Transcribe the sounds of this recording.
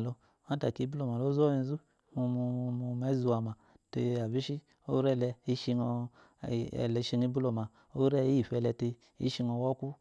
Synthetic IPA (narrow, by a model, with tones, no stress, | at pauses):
lo˧ | ma˦ta̰˨ki˨˦bu˦lo˦˨ma˨lo˦zo˦i˧˦zu˦ | mu˧mu˧mu˧me˨˦zu˧a˨ma˨ | te˧a˨bi˦ʃi˦ | o̰˦ɾɛ˦˨lɛ˧i˦ʃi˧ŋɔ˧˨ | ɛ̰˨lɛ˨˦ʃi˧ŋi˦bu˦lo˨ma˨ | o˦ɾɛ˦i˨fɛ˧lɛ˧te˧ | ḭ˦ʃi˧ŋo˧wɔ˦ku˦